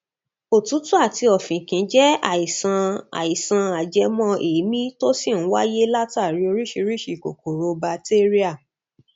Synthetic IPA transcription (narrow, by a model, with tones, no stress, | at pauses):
o˨tũ˨˦tu˦a˦˨ti˧ɔ˨fĩ˨kĩ˨˦d͡ʒɛ˦a̰˦˨i˨sã˧a̰˨i˨sã˧a˨d͡ʒɛ˧mɔ̃˧ʔe˨˦mĩ˦to˦si˦˨nũ˨˦wa˦je˦la˦ta˦˨ɾi˧˦o˧ɾi˦ʃi˧ɾi˦ʃi˨ko̰˨ko˨ɾo˧ba˧te˦ɾi˦a˦˨